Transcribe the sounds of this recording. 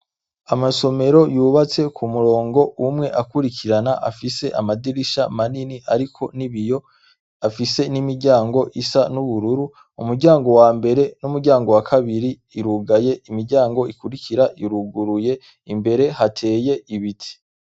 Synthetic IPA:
amaso̞me̞ɾo̞juːβat͡se̞kʰumuɾo̞ːŋɡo̞umŋe̞ʔakuɾikiɾanaʔa̰fise̞ʔamadiɾiʃamaniniʔaɾikʰo̞niβijo̞ | afise̞nimiɾɟaːŋɡo̞ʔisanuβuɾuɾu | umuɾɟaːŋɡo̞waːmbe̞ɾe̞numuɾɟaːŋɡo̞wakʰaβiɾiːɾuɡaje̞imiɾɟaːŋɡo̞ikuɾikiɾaiɾuɡuɾuje̞ | imbe̞ɾe̞hatʰe̞ːje̞ʔiβitʰi̥

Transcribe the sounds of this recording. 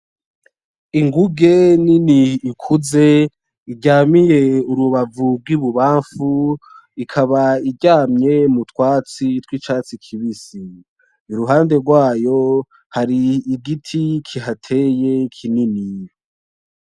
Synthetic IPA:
iŋɡuɡe̞niniːkʰuze̞ | iɟaːmije̞uɾuβavuɡɡwiβuβaːɱfu | ikʰaβaiɟaːmɲe̞mutwaːt͡sitwit͡ʃaːt͡sikʰiβisi | iɾuɦaːnde̞ɾɡwaːjo̞ | haɾiːɡitʰikʰiɦatʰejekʰininij

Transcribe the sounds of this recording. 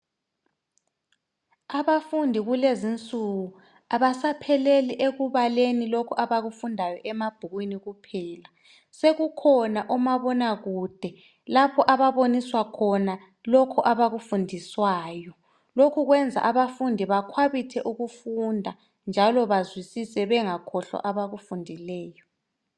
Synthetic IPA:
aβafundʱiɣulezint͡sʼuɣu | aβasapʰɛleliʔeɣuβalenilokʰɔʔaβaɣufundʱajɔʔɛmab̥ʱuɣwiniɣupʰɛːla | seɣukʰɔnaʔɔmaβɔnaɣud̥ʱɛ | lapʰɔʔaβaβoniswakʰɔna | lɔkʰɔʔaβaɣufundʱiswaːjɔ | lokʰuɣwɛnd͡zʱa̰ʔaβafundʱiβakʰwaβitʰɛʔuɣufundʱa | nd͡ʒʱalɔβazwisisɛβɛŋakʰɔɬwa̰ʔaβaɣufundʱilɛːjɔ

